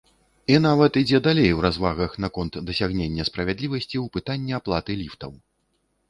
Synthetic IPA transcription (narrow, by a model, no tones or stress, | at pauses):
inavɐt̪id͡zʲɛd̪alʲejwɾazvaɣɐxn̪akɔnt̪d̪ɐsʲaɣnʲenʲːɐspɾɐvʲad̪lʲivɐsʲt͡sʲiwpɨt̪anʲːɛaplˠat̪ɨlʲift̪ɐw